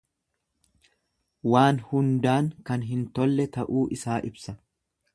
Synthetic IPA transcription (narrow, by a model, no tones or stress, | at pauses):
waːnhʊnd̪aːŋkɐnɦɪnt̪ɔlːɛt̪ɐʔuːʔɪsaːʔɪbsɐ